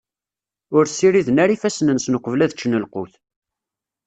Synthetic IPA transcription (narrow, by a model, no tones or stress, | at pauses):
ʊɾsiɾiðnæɾifæsnənsnəqəvlæðət͡ʃːnəlqʊ̰θ